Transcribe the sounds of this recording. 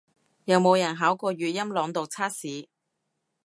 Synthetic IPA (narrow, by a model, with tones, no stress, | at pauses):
jɐ˨˧wmo˨˧wjɐ˨˩nɦaː˨˥wkɔː˧ɥyː˨˧t̚jɐ˥mlɔː˨˧ŋt̪o˨wt͡sʰaː˥t̚siː˨˥